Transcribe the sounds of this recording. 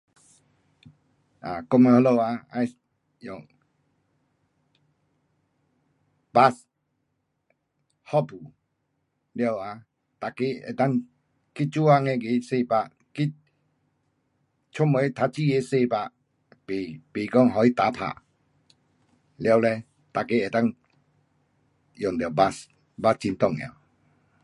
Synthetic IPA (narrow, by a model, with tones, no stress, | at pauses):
ʔa̰˨kɔ˥˧˨me˧ho˧lo˧˨a˧a̰˧j | jɔ˨˩ŋ | ba˦s | hɔ˦˨pʰu˨˩ | lja˧˨wa˧ | t̪a˨ke˧˦ḛ˨t̪a˦˥˨ŋ | ki˦t̚t͡ɕu˦a˧˨ŋɛ̃˧˨ɡe˨˧˦se˥˧˨pa˧ | ki˦t̚ | t͡ɕʰɔ˥˨mə˧˦e˧˦t̪ʰa˧˥t͡ɕi˥˧˨e˧˦se˥˧˨pa˧ | pe˨pe˨kɔ˥˧˨ŋɦɔ˨˧˨i˦t̪a˨˦pʰa̰˨ | lja˧wlɛ˧ | t̪a˨ke˧˦e˨t̪a˥˨ŋ | jɔ˨˩ŋt̪wba˦s | ba˧˦t͡ɕi˧nt̪ɔ˥˧˨ŋja̰˨˩w